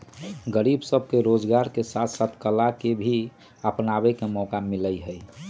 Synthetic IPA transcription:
ɡəɾibsəb̚ʱkeɾod͡ʒɡaɾkesat̪ʰsət̪ʰkəlakebʱi | əpnabekemɔkamiləiɦəi

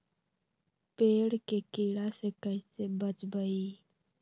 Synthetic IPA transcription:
peːɽkekiːɽasekəisebət͡ʃbəiː

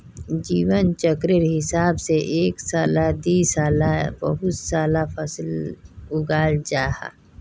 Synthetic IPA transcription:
d͡ʒiːwənt͡ʃəkɾɪɾɦɪsaːbseʔeːksaːlad̪iːsaːlabə̰ɦʊt̪saːlapʰəslʊɡaːld͡ʒaːha̰

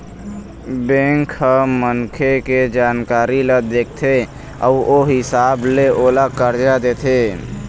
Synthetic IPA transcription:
bẽŋkʰəmənkʰeked͡ʒankaːɾiled̪ekʰt̪ʰe | ə̰uoɦɪsableʔolakəɾd͡ʒad̪et̪ʰe

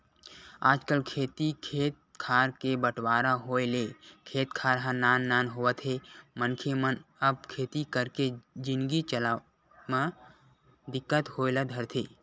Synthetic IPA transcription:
aːd͡ʒkəlkʰeːt̪ikʰeːt̪̚kʰaːɾkebəʈwaːɾaɦoːelekʰeːt̪kʰaːɾɦãnaːnːaːnɦowət̪ɦemənkʰemənəb̚kʰeːt̪ikəɾked͡ʒɪ̃nɡit͡ʃəla | mã | d̪ɪkːət̪hoːɪlad̪ʱəɾt̪ʰeː

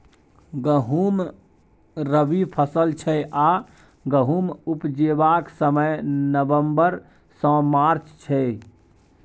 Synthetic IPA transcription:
ɡəɦum | ɾəbipʰəsəlt͡ʃʰɛjʔa | ɡəɦumupd͡ʒebaksəməjnəbəmbəɾ | sə̃maɾt͡ʃt͡ʃʰɛ

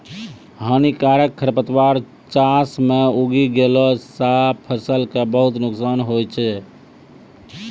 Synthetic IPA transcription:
ɦənikaɾəkʰːəɾpət̪waɾ | t͡ʃasmeuɡiɡelɔsapʰəɾsəlkebəɦut̪nuksanɦojt͡ʃʰɛ

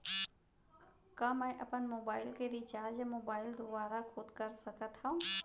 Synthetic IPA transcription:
kãːmɛ̃ʔəpənmoːbaːɪlked̪it͡ʃaːɾd͡ʒəmoːbaːɪld̪obaːɾaxʰʊd̪kəɾsəkət̪ɦãũ

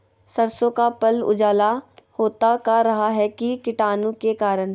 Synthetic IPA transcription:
sɐɾsõkapɐlʊ̰d͡ʒaːlahoːt̪akaɾɐɦaɦɛkikɪʈaːnõkekaːɾən

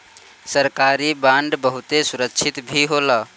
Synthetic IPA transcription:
səɾkaːɾibãɳɖbəɦʊt̪esʊɾəkt͡ʃʰɪt̪bʱiɦola

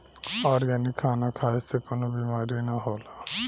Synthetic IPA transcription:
ɔɾɡanikʰːanakʰajsekonobimaɾinaɦola

